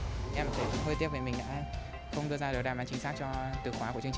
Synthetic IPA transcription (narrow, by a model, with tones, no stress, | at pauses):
ʔɛ˧mʰ˨˩˨jɦəː˧t̪i˦˥ve˨˩mï˨˩ŋ̟ɗa̰ː˧˥ | xə˧wŋ͡mɗɨ˧əzaː˧ɗɨ˨˩k̚ɗa˨˩mɓaː˨˦nt͡ɕï˨˦ŋ̟saː˦˥k̚t͡ɕɔ˧t̪ɨ̰˨˩xwaː˨˦ku˧˩ət͡ɕɨ˧ŋt͡ɕ